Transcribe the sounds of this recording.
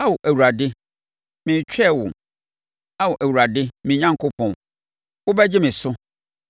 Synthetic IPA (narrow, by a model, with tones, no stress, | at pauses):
a˦wʊ˨ʔæ˨wu˨ɾa˨dɪ˦ | mɪ̃˨t͡ɕᶣɛ˦˨wʊ̰̃˨ | a˦wʊ˨ʔæ˨wu˨ɾa˨dɪ˦mɪ̃˨ɲã˦ŋkʰo˦pʰɔ̃˨n | wʊ˦bɛ˦d͡ʑɪ˦mɪ̃˨sʊ˦